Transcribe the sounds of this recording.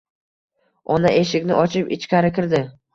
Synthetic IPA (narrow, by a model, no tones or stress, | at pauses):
ɒnaʔe̞ʃɪkʲnɪʔɒt͡ʃʰɪpɪt͡ʃkʲʰaɾɪkʲɪɾd̪ɪ